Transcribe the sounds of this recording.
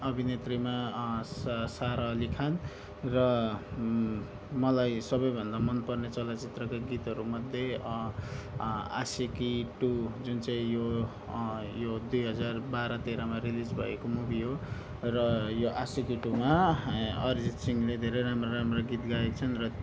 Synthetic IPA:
ʌbʱinet̪rima | saɾʌlikʰan | rʌ | mʌlajsʌbʌjbʱʌnd̪amʌnpʌrnet͡sʌlat͡sit̪rʌkaɡit̪ɦʌɾumʌd̪ʱjʌ | a̰sekiʈud͡zunt͡saĩjo | jod̪ujɦʌd͡zarbaɾʌt̪eɾamarilid͡zbʱʌ̰ekomubʱiɦo | rʌjoʔasikiʈuma | ʌrd͡zitsiŋled̪ʱeɾejɾamrʌɾamrʌɡit̪ɡaekt͡sʰʌnrʌ

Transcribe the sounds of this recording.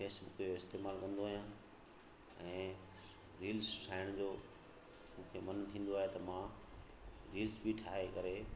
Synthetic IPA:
feːsbʊkjoɪst̪eːmaːlkɐ̃nd̪oaːɦijãː | ɛ̃ː | ɾiːlsʈʰaːɪɽ̃d͡ʑoː | mũːkʰemɐnt̪ʰĩːnd̪oaːɦet̪ɐmã | ɾiːlsbiʈʰaːɦekɐɾe

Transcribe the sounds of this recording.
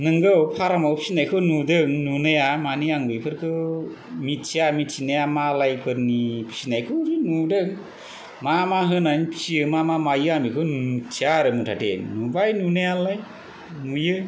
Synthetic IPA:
nɯŋɡɯwpʰaɾamawpʰi̥sinajkʰɯnudɯŋnunajamaniaŋbɯjpʰɯɾkʰɯ | mitt͡ʃʰiamitt͡ʃʰinajamalajpʰɯɾnipʰi̥sinajkʰɯɾɯnudɯŋ | mamaɦɯnanpʰi̥siɯmamamajɯamikʰɯnt͡ʃʰjaɾɯmɯtʰatʰḛnubajnunajalaj | nujɯ

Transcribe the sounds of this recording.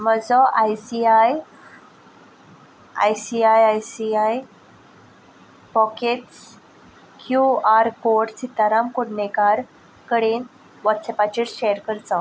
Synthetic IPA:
məd͡zɔʔajsiaj | a̰jsiajajsiaj | pɔkeʈs | kʰjuaɾkoʈsit̪aɾamkuɽɳekaɾ | kəɽen | ʋat̪səpat͡ɕiɾɕejəɾkəɾd͡zau

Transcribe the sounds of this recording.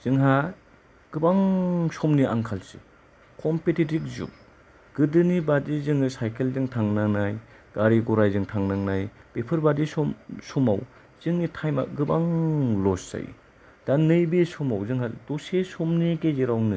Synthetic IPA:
z̥ɯŋɦa | ɡ̥ɯbaŋsɔmniaŋkʰalsḭ | kʰɔmpetitik̚zṵk̚ | ɡ̥ɯdɯnibadizɯŋɯsajkʰelzɯŋtʰaŋnanaj | ɡ̥aɾiɡɔɾajzɯŋtʰaŋnaŋnajpepʰɯɾbadisɔmsɔma̰w | z̥ɯŋnitʰajma̰ɡɯbaŋlɔsːa̰j | d̥anɯjbisɔmawzɯŋɦadɔsesɔmnikezeɾawnɯ

